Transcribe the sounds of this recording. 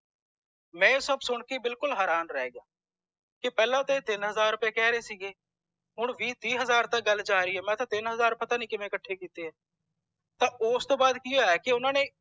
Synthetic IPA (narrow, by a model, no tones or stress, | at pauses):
mɛ̃ːsəbsʊɳkiːbɪlkʊlɦɛːɾaːnɾɛːɡaː | kɪpɛːlãːt̪aeːt̪ɪnɦəzaːɾːʊpeːkɛːɾeːsiːɡeː | ɦʊɳʋiːt̪iːɦəzaːɾt̪ək̚ɡəld͡ʒaːɾiːɦɛːmɛ̃ːt̪ãːt̪ɪnɦəzaːɾpət̪aːnĩːkɪmẽːkəʈʰːeːkiːt̪eːɦɛː | t̪ãːʔoːst̪õːbaːd̪kɪoːɛːkɪʊnãːneː